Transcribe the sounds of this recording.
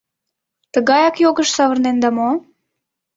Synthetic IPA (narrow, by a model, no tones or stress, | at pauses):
t̪əɣɑjɑkjoɣəʃsɑβərnend̪ɑmo